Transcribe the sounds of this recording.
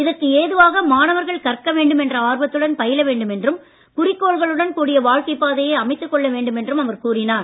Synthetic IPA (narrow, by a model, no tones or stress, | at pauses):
ɪðɐɾkːɯeːðɯʋaːɣɐmaːnɐʋɐɾɣɐɭkɐrkːɐʋeːɳɖɯmɛndrɐaːɾbɐt̪ːɯɽɐnpɐjɪlɐʋeːɳɖɯmɛndrɯm | kʊrɪkːoːɭɣɐɭɯɽɐnkuːɽɪjɐʋaːɻkɐɪpːaːðɐjeːɐmɐɪt̪ːɯkːɔɭːɐʋeːɳɖɯmɛndrɯmɐʋɐɾkuːrɪnaːɾ